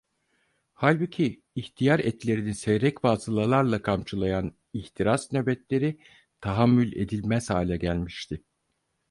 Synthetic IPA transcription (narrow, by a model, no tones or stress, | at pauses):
halʲbucʰiː | çt̪ʰijaɾɛt̪lʲe̞ɾinisɛjɾɛcbaːzɯlˠalˠaɾlˠakʰamt͡ʃʰɯlˠajan | içt̪ʰiɾasnøbɛt̪lʲe̞ɾi | t̪ʰaɦamːylʲe̞d̪ilʲmɛsaːlʲɛɟælʲmiʃt̪ʰɪ